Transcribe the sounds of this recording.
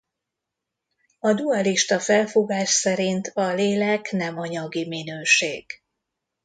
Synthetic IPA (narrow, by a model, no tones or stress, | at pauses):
ɒd̪uɒliʃt̪ɒfɛlfuɡaːʃsɛɾint̪ʰɒleːlɛknɛmɒɲɒɡiminøːʃeːɡ̥